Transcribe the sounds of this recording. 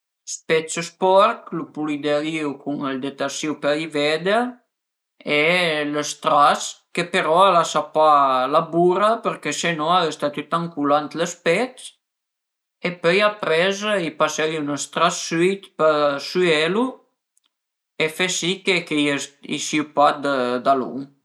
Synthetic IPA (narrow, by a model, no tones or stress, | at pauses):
spɛt͡səspɔɾklupulid̪eliwkʰuŋəld̪et̪asiwpəlivɛd̪ə | eləst̪ɾaskəpeɾɔalasapalabuɾapəɾkesenɔaləst̪at̪yt̪aŋkulant̪ləspɛt͡s | epœjapɾɛzipaseiynəst̪ɾasːyt̪pəsyɛlu | efɛsikekejisiupad̪əd̪alṵŋ